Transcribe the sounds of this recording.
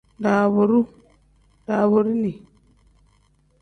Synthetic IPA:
nda˨βo˨ɾu˦ | da˨βo˨ɾu˦ni˨

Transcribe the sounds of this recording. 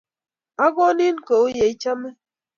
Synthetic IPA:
a˦ɡɔ˦ni˦n˦˨ko˨o˦je˨i˦t͡ʃa˦me˦

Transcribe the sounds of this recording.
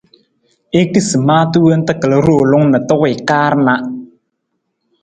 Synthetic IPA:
e˦ki˦sɨ˨maː˦tu˦wə˦n̩˦tə˦kə˨lə˦ɾo˦˨lʊ˦ŋnə˨tʊ˦ʔɪ˨kaː˦ɾna˦ʔ

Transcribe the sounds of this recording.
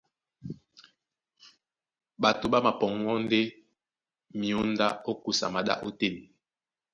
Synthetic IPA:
ɓa˨to˨ɓa˦ma˨pɔ˨ŋ˦ɔ˦n˦de˦ | mi˨o˦n˦da˦o˦ku˦sa̰˨ma˨ɗa̰˦ʔo˦te˦˨n˨

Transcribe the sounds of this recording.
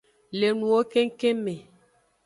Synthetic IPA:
le˨nũ˨wo˦ke˦ŋ˦ke˦me˨

